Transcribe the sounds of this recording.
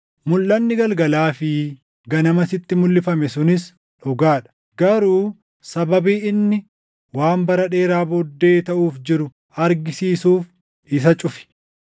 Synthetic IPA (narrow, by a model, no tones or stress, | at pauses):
mʊlːɐnːɪɡɐlɡɐlaːfɪ | ɡɐnɐmɐsɪt̪ːɪmʊlːɪfɐmɛsʊnɪs | ᶑɔɡaːᶑɐ̥ | ɡ̥ɐɾuː | sɐbɐbiːɪnːɪ | waːmbɐɾɐᶑe̞ːɾaːboːd̪ːe̞ːt̪ɐʔuːfd͡ʒɪɾʊ | ɐɾɡɪsiːsuːf | ɪs̬ɐt͡ʃʼʊfɪ̥